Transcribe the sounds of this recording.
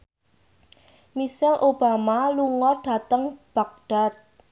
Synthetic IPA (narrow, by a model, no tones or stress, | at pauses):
misɪlʔob̥amaluŋɔrɖ̥ä̤t̪əŋb̥ak̚ɖ̥a̤t̪̚